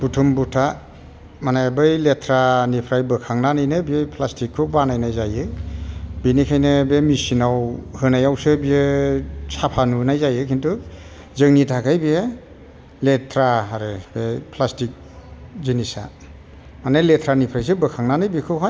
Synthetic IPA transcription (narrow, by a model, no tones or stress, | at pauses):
b̥utʰumbutʰa | manajbɯjletʰɾanipʰɾajbɯkʰaŋnanɯjnɯbiejpʰlastikʰːɯbanajnajzajɯ | binikʰajnɯbemisinawhɯnajawsɯbiɯsapʰanunajzajɯkʰintu | zɯŋnitʰakʰajbie | letʰɾaaɾɯbepʰlastik̚ | zinisa̰ | manaletʰɾanipʰɾajs̬ɯbɯkʰaŋnanɯjbikʰɯwɦaj